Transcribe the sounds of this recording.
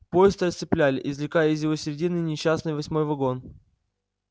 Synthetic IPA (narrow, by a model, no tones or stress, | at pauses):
po̞jɪst̪əəst̪sɨplʲælʲɪʔɪzlʲɪkajəɪzjɪvo̞sʲɪɾʲɪdʲinːɨjnʲɪɕːasnɨjvɐsʲmo̞jvɐɡo̞n